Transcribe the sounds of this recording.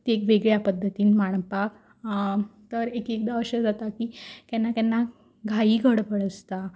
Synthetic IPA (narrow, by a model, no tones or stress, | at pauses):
t̪ekʋeɡɭjapəd̪ʱːət̪iːnmaɳ̃pak | t̪əɾekek̚d̪aəɕəd͡zat̪akiːk̪ɛnːak̪ɛnːa | ɡʱaiːɡʱəɽpəɽəst̪a